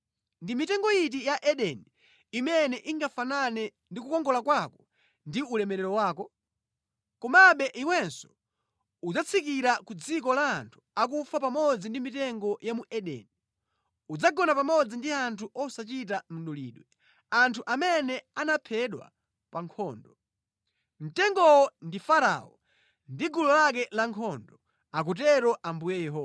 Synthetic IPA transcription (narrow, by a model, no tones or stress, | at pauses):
ndimitɛŋɡɔjit̬ijaʔɛɗɛni | imɛnɛʔiŋɡafananɛ | ndikukɔŋɡɔlakwakɔ̥ | ndiulɛmɛɾɛɾɔwaːkɔ | kɔmaɓɛʔiwɛnsɔ̥ | ud͡zat͡sʰikiɾakud͡zik̬ɔlaːntʰu̥ak̬ufapamɔd͡zindimitɛŋɡɔjamuʔɛɗɛ̰ni | ud͡zaɡɔnapamɔd͡zindiantʰuʔɔsat͡ʃit̬am̩nɗulḭːɗwɛ | antʰuʔamɛnɛanapʰɛɗwa̰ | paŋkʰɔːndɔ | m̩tɛŋɡɔwɔndifaɾa̰ɔ | ndiɡulɔlak̬ɛlaŋkʰɔndɔ | ak̬ut̬ɛɾɔʔambujɛjɛɦɔː